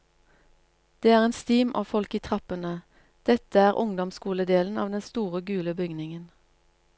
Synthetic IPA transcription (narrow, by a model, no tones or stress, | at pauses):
d̪̥eːæːʁeːnst̪iːmɑ̰ːfɔlkiːt̪ʰʁɑpənə | d̪̥ɛt̪əæːʁʔʊŋd̪ɔmskuːləd̪eːln̩ɑ̰ːʋd̪ɛnst̪uːʁəɡʉːləbʏɡnɪŋən